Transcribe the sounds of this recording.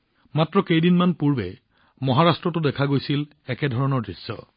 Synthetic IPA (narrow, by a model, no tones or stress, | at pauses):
matɹɔkejdinmanpuɹbɛ | mɔɦaɹastɹɔtʊdɛkʰaɡojsil | ɛkɛdʱɔɹɔnɔɹdɹisːɔ̰